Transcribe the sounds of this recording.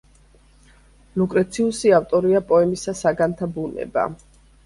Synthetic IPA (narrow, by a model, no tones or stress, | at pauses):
lukʼɾɛt̪sʰiusiaft̪ʼɔɾiapʼɔɛmisasaɡant̪ʰabunɛ̰ba̰